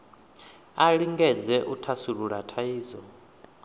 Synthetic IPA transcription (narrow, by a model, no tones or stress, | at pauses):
aɺiŋɡɛd͡zɛʔutʰasuɺuɺatʰaiːzɔ